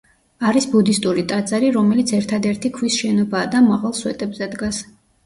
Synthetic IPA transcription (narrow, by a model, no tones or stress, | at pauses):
aɾisbud̪ist̪ʼuɾit̪ʼad̪zaɾiɾɔmɛlit̪sʰɛɾt̪ʰad̪ɛɾt̪ʰikʰwisʃɛnɔbaːd̪amaʁalˠswɛt̪ʼɛbzɛd̪ɡas